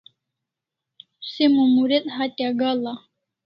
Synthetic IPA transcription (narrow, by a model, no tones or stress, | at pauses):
simumuɾet̪ʼhat̪ʼaɡala